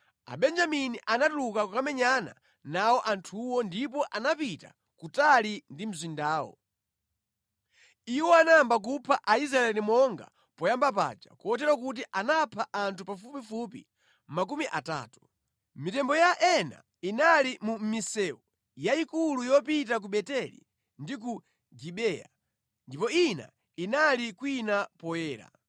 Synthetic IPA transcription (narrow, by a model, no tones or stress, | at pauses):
a̰ɓɛnd͡ʒaminiʔanatulukakukamɛɲana̰ | nawɔʔantʰuwɔndip̬ɔʔanapita̰ | kutalindim̩zwindaːwɔ̰ | iwɔanaambak̬upʰaʔais̬ɾaɛlimɔŋɡa̰ | pɔjambap̬a̰d͡ʒa̰kuɔtɛɾwak̬ut̬iʔanapʰaʔantʰupafupifupḭ | mak̬umiʔata̰ːtu̥ | mitɛmbɔjaʔɛna̰ | inalimum̩misɛu | jaikulujɔpit̬ak̬uɓɛtɛlḭ | ndik̬u | d͡ʒiɓɛja̰ | ndipɔina̰ | inalikwinapɔjɛːɾa̰